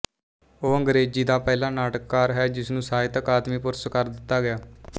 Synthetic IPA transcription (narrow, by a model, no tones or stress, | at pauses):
oːəŋɡɾeːd͡ʒiːd̪aːpɛːlãːnaːʈəkːaːɾɦɛːd͡ʒɪsnũːsaːɪt̪əkaːd̪miːpʊɾsəkəɾd̪ɪt̪ːaːɡɪjaː